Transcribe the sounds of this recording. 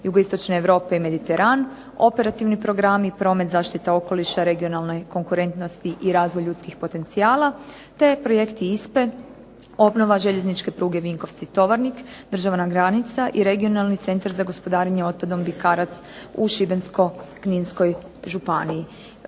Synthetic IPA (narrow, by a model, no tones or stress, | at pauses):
juɡoist̪o̞t͡ʃneːʋɾo̞ːpe̞ime̞d̪it̪e̞ɾʔan | o̞pe̞ɾat̪iʋnipɾo̞ɡɾamipɾo̞ːme̞t̪zaːʃt̪it̪eo̞ko̞liʃaɾe̞ɡio̞nalne̞ko̞ŋkuɾe̞nt̪no̞st̪iʔiɾaːzʋo̞jʎʎuːt̪skixpo̞t̪e̞nt̪siaːlˠa | t̪e̞pɾo̞je̞kt̪iispe̞ | o̞bno̞ʋaʒe̞ʎe̞znit͡ʃke̞pɾuːɡe̞ʋiŋko̞ʋt̪sit̪o̞ʋaɾnikd̪r̩ʒaʋnaɡɾanit̪saʔiɾe̞ɡio̞nalˠnit̪se̞nt̪aɾzaɡo̞spo̞d̪aːɾeɲeo̞t̪̚pad̪o̞mbikaːɾat̪suʃibe̞nsko̞kninsko̞j | ʒupaniji